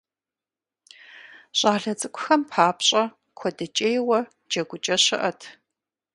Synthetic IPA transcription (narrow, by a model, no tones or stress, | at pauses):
ɕʼaːɮɐt͡sʼɨkʷʰʼʊxɐmpʰaːpɕʼɐ | kʷʰɔdɐt͡ʃʼejwɐ | d͡ʒɐɡʷʊt͡ʃʼɐɕɪʔɐtʰ